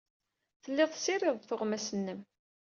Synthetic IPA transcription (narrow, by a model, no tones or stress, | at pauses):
θəlːɪðˤsiɾɪðˤθʊʁmæsənːəm